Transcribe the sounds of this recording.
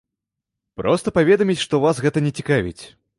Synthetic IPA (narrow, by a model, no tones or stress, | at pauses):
pɾɔst̪ɐpavʲɛd̪ɐmʲit͡sʲʂt̪ɔvasɣɛt̪ɐnʲɛt͡sʲikavʲḭt͡sʲ